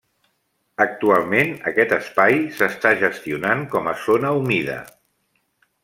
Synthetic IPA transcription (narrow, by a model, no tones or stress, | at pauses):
ək̚t̪ualˠmenəkɛt̪əspajsəst̪aʒəst̪iunaŋkɔməzonəumiðə̰